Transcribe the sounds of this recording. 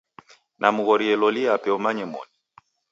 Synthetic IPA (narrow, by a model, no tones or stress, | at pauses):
nʔamuɣɔɾiɛlɔliapɛɔmaɲɛmɔ̰ni